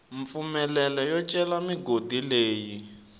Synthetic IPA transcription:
ɱp̪fumɛlɛlɔjɔt͡ʃʼɛlamiɡodileːji

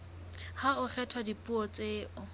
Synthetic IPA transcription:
haʊχɛtʰwadipʼuɔt͡sʼeːʔʊ

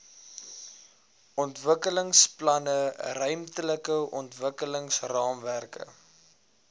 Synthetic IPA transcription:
ʔɔntvəkələŋsplɐnərœɥmtələkəʔɔntvəkələŋsrɑːmværkə̰

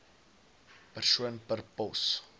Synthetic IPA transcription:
pərsuənpərpɔs

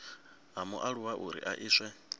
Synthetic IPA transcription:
ɦamuʔaɺuwaʔuɾḭʔaʔiːʂwɛ

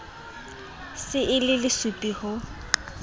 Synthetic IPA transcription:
sɪʔɪlɪlɪsupʼihʊ

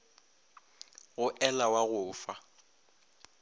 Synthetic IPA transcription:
ɣʊʔɛlawaɣʊːfa

